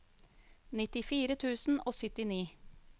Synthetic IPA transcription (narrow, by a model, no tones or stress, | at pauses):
nɪt̪ɪfiːɾət̪ʰʉːsn̩ʔoːsœt̪ɪniː